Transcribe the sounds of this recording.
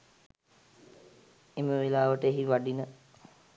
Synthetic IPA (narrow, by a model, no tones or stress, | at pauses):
eməʋelaːʋəʈəeɦiʋaɖinə